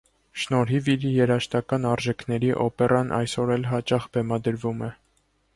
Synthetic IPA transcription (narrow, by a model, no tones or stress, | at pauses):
ʃnɔɾɦiviɾjɛɾɑʃt̪ɑkɑnɑɾʒɛkʰnɛɾiʔɔpɛrɑnʔɑ̰jsɔɾɛlɦɑt͡ʃɑχbɛmɑd̪əɾvumɛ